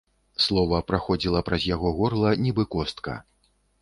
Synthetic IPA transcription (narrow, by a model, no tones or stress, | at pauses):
slˠɔvɐpɾaxɔd͡zʲilˠɐpɾɐzʲjaɣɔɣɔrlˠɐnʲɛbɨkɔst̪kɐ̰